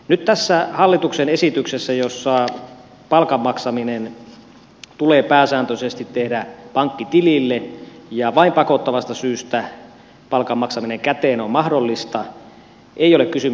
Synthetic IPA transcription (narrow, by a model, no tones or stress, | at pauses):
nyt̪t̪æsːæhɑlːit̪uksenesit̪yksesːæjosːɑ | pɑlkɑmːɑksɑminen | t̪uleːpæːsæːnt̪øsest̪it̪tehdæpɑŋkːit̪ililːejɑʋɑimpɑkot̪ːɑʋɑst̪ɑsyːst̪æ | pɑlkɑmːɑksɑmineŋkæt̪eːnommɑhdolːist̪ɑ | ʔeijolekkysy